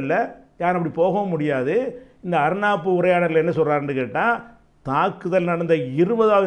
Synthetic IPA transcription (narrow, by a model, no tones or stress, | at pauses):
lːɐɲaːɾɐp̬ːɐɽipoːɣɐmʊɽɪjaːðɯɪnd̪ɐɐɾɯnaːpːɯʊɾɐjaːɽɐɾlɛnːɐsɔlraːɾɐndrɯkeːʈːãː | t̪aːkːɯðɐlnɐɽɐnd̪ɐɪɾɯbɐðaːʋ